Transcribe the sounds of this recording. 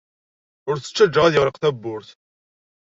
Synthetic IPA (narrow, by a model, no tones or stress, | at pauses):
ʊɾθə̥t͡ʃːæd͡ʒːəʁæðjəʁɾəqθæbːʊɾθ